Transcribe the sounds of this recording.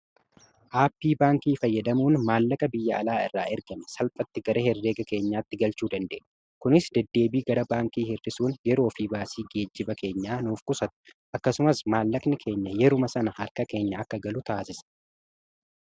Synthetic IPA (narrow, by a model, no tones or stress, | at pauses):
ʔaːpːiːbaːŋkiːfɐjːɐd̪ɐmuːnmaːlːɐkʼɐbɪjːɐɐlaːɪrːaːʔɛɾɡɐmɛsɐlpʼɐt̪ːɪɡɐɾɐhɛrːe̞ːɡɐke̞ːɲːaːt̪ːɪɡɐlt͡ʃuːd̪ɐnd̪e̞̰ːʔ | kʊnɪsd̪̥ɛd̪ːe̞ːbiːɡɐɾɐbaːŋkiːhɪrːɪsuːnjɛɾo̞ːfiːbaːsiːɡe̞ːd͡ʒːɪbɐke̞ːɲːaːnuːfkʊsɐt̪ʊ̥ | ʔɐkːɐsʊmɐsmaːlːɐkʼnɪkʰe̞ːɲːɐjɛɾʊmɐsɐnɐhɐɾkɐke̞ːɲːɐɐkːɐɡɐlʊt̪aːsɪsɐ̥